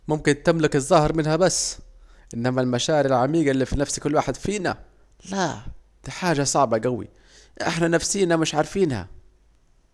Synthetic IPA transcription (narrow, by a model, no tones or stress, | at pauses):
mʊmkɪnt̪ɪmlɪkɨzˤːɑhɾmɪnhabasː | ʔɪnːæmalmaʃaːʕɪɾɪlʕamiːɡalːiːfinafsikʊlːwaːħɪd̪fiːna̰ | la | d̪̥iħaːʒasˤɑʕbɑɡawḭ | ʔɪ̰ħnanafsiːnamɪʃʕɑɾˤfiːnha̰